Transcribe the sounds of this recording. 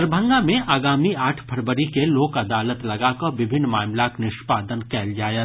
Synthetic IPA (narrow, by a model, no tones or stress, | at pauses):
ɾbʱə̃ŋɡamẽʔaːɡaːmiaːʈʰbʰʱɐɾbəɾikeloːkɐd̪aːlət̪lɐɡaːkoʋɪbʱɪnːmaːmlaknɪʃpaːd̪ənkɛːld͡ʒaːjə